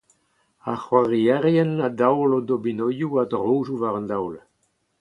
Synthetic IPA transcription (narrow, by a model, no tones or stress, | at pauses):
aχwaʁiɛʁjɛnadawlɔdobinɔjuadʁoːzuvaʁəndawl